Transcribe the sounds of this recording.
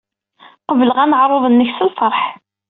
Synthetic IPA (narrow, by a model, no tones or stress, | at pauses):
qəvələʁænəʕɾˤoðˤənːəçsəlfɑɾˤħ